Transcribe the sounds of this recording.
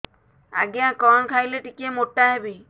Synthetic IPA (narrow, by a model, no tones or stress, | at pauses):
a̰ɡjãkɔnkʰajleʈikemoʈːaɦebi